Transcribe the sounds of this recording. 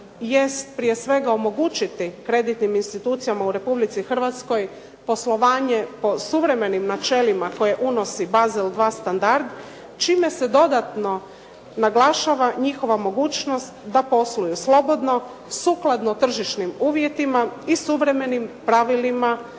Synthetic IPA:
je̞st̪̚pɾije̞sʋe̞ɡaomo̞ɡuːt͡ʃit̪ikɾe̞d̪it̪niminst̪it̪uːt̪sijamauɾe̞publit̪sixr̩ʋat̪sko̞j | po̞slˠo̞ʋaːɲe̞po̞suʋɾe̞me̞nimnat͡ʃe̞limako̞je̞ʔuno̞sibazeld̪ʋaːst̪and̪aɾd̪ | t͡ʃiːme̞se̞d̪o̞d̪at̪no̞ | naɡlaʃaʋaɲixo̞ʋamo̞ɡuːt͡ʃno̞st̪d̪apo̞slujuslo̞bo̞d̪no̞ | suklad̪not̪r̩ʒiʃnimuːʋje̞t̪imaisuʋɾe̞me̞nimpɾaʋilima

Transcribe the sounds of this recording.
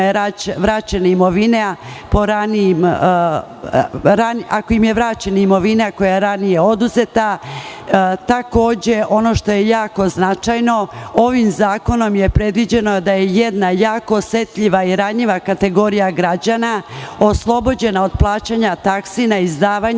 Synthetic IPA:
ɾaʋɾat͡ɕenaimo̞ʋinepo̞ɾanijim | ɾaniʔako̞imje̞ʋɾat͡ɕenaimo̞ʋinako̞jaeɾanije̞o̞d̪uzet̪a | t̪ako̞ːd͡ʑe̞ʔo̞no̞ʃt̪o̞je̞jaːko̞znat͡ʃajno̞o̞ʋimzaːko̞no̞mje̞pɾe̞d̪ʋid͡ʑe̞no̞d̪ajejed̪najaːkosʋe̞t̪ʎʲiʋaiɾaɲiʋakat̪e̞ɡo̞ɾijaɡɾad͡ʑanaoslˠo̞bo̞d͡ʑe̞nao̞d̪̚plˠaːt͡ɕaɲat̪aksinaizd̪aːʋaɲ

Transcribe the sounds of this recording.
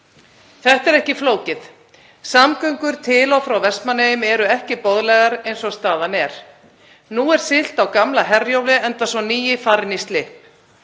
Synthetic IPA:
θɛht̪ɛɾɛhcɪfloːwcɪθ | samkœɥŋkʏɾ̥t̪ʰɪlawfɾawvɛst̪manːejʏmɛɾʏɛhcɪpɔðlɛɣaɾejnsɔst̪aːðanɛɾ̥ | nuɛɾ̥sɪl̥t̪awkamlaɦɛrjowlɪɛnt̪asɔniːjɪfaɾnist̪lɪhp̚

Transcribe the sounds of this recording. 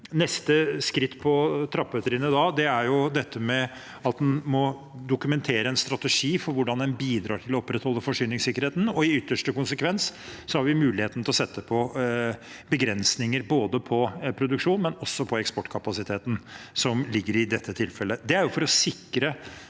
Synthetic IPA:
nɛst̪əskɾɪt̪ːpʰɔt̪ʰɾɑpːət̪əɾɪnəd̪ɑːd̪ɛæɾjʊd̪ɛt̪ʰːəmɛ | ɑt̪̚d̪ɛnmɔ | d̪ʊkʉmɛnt̪ʰeːɾəɛnst̪ɾɑt̪əʂiːfɔɾʋʊɖɑnd̪ɛnbiːd̪ɾɑːʈʰɪlɔɔpːɾɛt̪hɔlːəfɔʂyːnɪŋsɪkːəɾheːt̪n̩ɔɪʏt̪ːəʂʈəkʊnsəkʰʋɛnsːɔhɑɾʋɪmʉːlɪheːt̪n̩t̪ɪlɔsɛt̪ːəpʰɔ | bəɡɾɛnsnɪŋəɾboːd̪əpʰɔpʰɾʊd̪ʉkʂuːnmɛnɔsːɔpʰɔɛkspɔʈːkʰɑpɑsɪt̪ʰeːt̪nsɔmlɪɡːəɾɪd̪ɛt̪ʰːət̪ʰɪlfɛlːəd̪ɛæɾjʊfɔɾɔsɪkɾə

